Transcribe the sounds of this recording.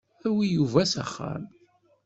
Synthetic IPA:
æwijuvæsæ̰χːa̰m

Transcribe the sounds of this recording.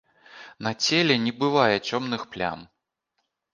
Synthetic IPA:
nɐt͡sʲelʲɛnʲɛbɨvajɛt͡sʲɔmnɨxplʲa̰n

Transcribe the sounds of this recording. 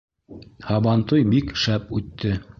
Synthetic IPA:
hɑβɑnt̪ojbikʃæp̚ʉt̪ːɘ

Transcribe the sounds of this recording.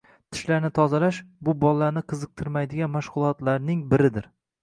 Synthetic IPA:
t̪ʰɪ̥ʃlaɾnɪt̪ʰɒzalaʃbʊbɒlːaɾnɪqʰɨzɨq̚t̪ʰɪɾmajd̪ɪɡʲanmaʃʁʊlˠɒt̪laɾnɪŋbɪɾɪd̪ɪɾ

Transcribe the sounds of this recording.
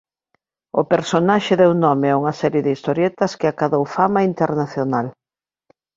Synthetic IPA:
ʊpeɾsonaʃɪðewnɔmɪɛuŋɐsɛɾjeðɪist̪oɾjɛt̪ɐskɪakaðowfamɐint̪eɾnaθjonal

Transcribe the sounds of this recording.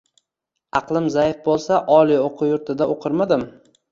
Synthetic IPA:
ɑqlˠɪmzajɪfbolˠsaʔɒlˠijoqʰʊjʊɾt̪ʰɪd̪aʔoqʰɨɾmad̪ɪm

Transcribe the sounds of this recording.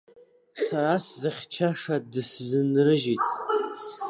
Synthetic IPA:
saɾaszaχʲt͡ʃʰaʂadɨszɨnrɨʒitʼ

